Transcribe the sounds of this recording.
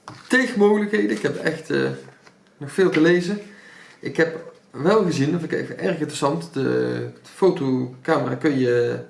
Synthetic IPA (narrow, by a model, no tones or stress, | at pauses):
texəmowɣələkɦejdənɪkɦɛpɛxtə̰ | nɔχfɪːlˠtəlejzə | ʔɪkɦɛp | ʋɛlˠχəzinɔfəkḛkfəʔɛrxɪntrəsɑntdəfowtokaːməra̰ːkɵnjə